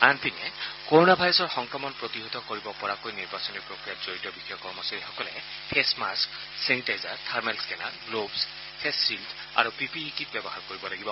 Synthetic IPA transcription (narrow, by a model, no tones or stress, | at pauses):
anpʰinɛkoɹonabʱajɹɔsɔɹxɔŋkɹɔmɔnpɹot̪iɦot̪ɔkoɹibɔpɔɹakojniɹbasɔniɹpɹokɹijatz̥oɹitɔbixɔjɔkɔɹmɔsaɹixɔkɔlɛ | pʰesmask | senitajzaɹtʰaɹmɛlskɛna̰ɡlobs | pʰesːiltʰ | a̰ɹupipiːkit̚bɛbɔɦaɹkoɹibɔlaɡibɔ